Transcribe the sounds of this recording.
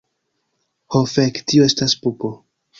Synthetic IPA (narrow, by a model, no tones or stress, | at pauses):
hofektioe̞staspupo